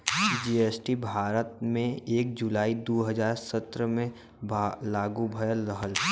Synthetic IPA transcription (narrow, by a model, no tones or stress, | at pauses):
d͡ʒieːsʈibʱaːɾət̪̚mẽeːk̚d͡ʒulaːid̪oːɦəzaːɾsət̪ɾəmẽ | bʱlaːɡubʱəjəlːəɦəl